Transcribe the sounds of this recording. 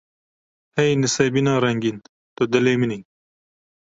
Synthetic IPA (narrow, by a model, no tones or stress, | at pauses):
hɛjnɨsebinɑːɾɐŋɡin | t̪od̪ɐleːminin